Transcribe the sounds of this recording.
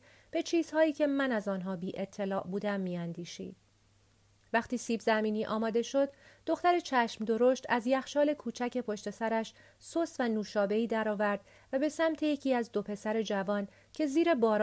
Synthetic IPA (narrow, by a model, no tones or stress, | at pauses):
b̥e̞t͡ʃʰiːz̥hɒːjiːcʰe̞mænæzɒːnɦɒːbiːʔe̞t̪ʰːe̞lɒːʔbuːd̪æmːiːænd̪iːʃḭːd̪̥ | væxt̪iːsiːbzæmiːniːʔɒ̰ːmɒːd̪e̞ʃo̞d̪ːo̞xt̪æɾe̞t͡ʃʰæʃmd̪o̞ɾoʃt̪ʰæzjæxʃɒːle̞kʰuːt͡ʃʰæce̞pʰo̞ʃt̪e̞sæɾæʃ | sost̪vænuːʃɒːbe̞iːd̪æɾɒːvæɾd̪̥ | væbe̞sæmt̪ʰe̞jecʰiːæzd̪o̞pʰe̞sæɾe̞d͡ʒævɒːn | cʰe̞ziːɾe̞bɒːɾ